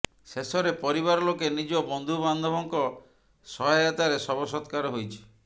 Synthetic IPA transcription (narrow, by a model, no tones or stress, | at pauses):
sesɔɾepɔɾiβaɾɔlokenid͡ʒɔbɔnd̪ʱuband̪ʱɔbɔŋkɔ | sɔɦajat̪aɾesɔbɔsɔt̪kaɾɔɦojt͡ʃʰi̥